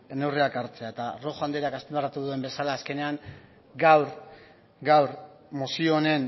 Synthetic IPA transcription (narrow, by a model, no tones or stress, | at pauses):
e̞ne̞wreakaɾt͡se̞aet̪aro̞xand̪eakast̪embarat̪uðue̞mbe̞salaːske̞ne̞aŋ | ɡawɾ | ɡawɾ | mosio̞ne̞n